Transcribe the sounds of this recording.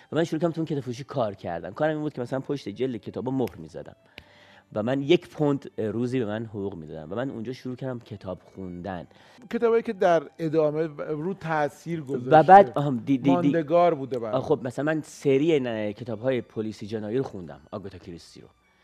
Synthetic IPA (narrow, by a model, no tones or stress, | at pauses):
væmænʃoɾukʰæɾæmʰuinkcet̪ɒːbfuʃ̬iːkʰɒːɾcʰæ̰ɾd̪æ̰mkʰɒːɾæminbud̪̥̚cʰemæsælænpʰoʃt̪e̞d͡ʒeld̪ecʰet̪ɒːbɒmohɾmiːzæ̰d̪æ̰m | væmænje̞cʰpʰond̪ɾuːziːbe̞mænɦoʁuːɣmiːd̪ɒ̰ːd̪æ̰mvæmænṵnd͡ʒɒːʃoɾuːcʰæɾd̪æmcʰe̞t̪ʰɒːb̥xund̪æn | kʰe̞t̪ɒːbɒjikʲʰed̪æɾed̪ɒːmeɾut̪ʰæsiːɾɡozvæbæːd̪ɦd̪id̪ind̪d̪eɡɒːɾbuːd̪ebæxob̚mæsælænmænseɾiːencʰe̞t̪ʰɒːbɦɒːjepʰolisid͡ʒenɒːjiɾoxund̪æ̰mɒ̰ɡot̪ʰɒcʰiɾist̪ḭɾo̰